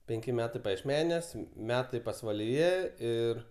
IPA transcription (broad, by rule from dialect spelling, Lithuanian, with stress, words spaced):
pʲɛŋʲˈkʲɪ ˈmʲæːtɐɪ pɐjiɛʃʲˈmʲæːnʲuɔs ˈmʲæːtɐɪ pɐsʋɐlʲɪˈjɛ ˈɪr